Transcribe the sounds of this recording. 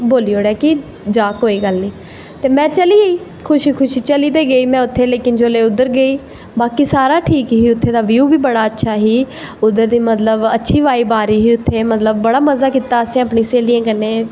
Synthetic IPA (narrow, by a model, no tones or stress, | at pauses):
boːliːɦoːɽɛaːkɪ | d͡ʒaːkoːiːɡəlniː | t̪eːmɛ̃ːt͡ʃəliːɡəiː | kʰʊʃiːkʰʊʃiːt͡ʃəliːd̪eːɡəiːmɛ̃ːʊt̪ʰːeːleːkɪnd͡ʒoːleːʊd̪ːəɾɡəiː | baːkiːsaːɾaːʈʰiːkɦiːʊt̪ʰːeːd̪aːʋjuːbiːbəɽaːətːʃʰaːɦiː | ʊd̪əɾd̪iːmət̪ləbətːʃʰiːʋaːiːbaːɾiːɦiːʊt̪ʰːeːmət̪ləbːəɽaːməzaːkiːt̪aːəsẽːapɳĩːseːliːãːkənːeː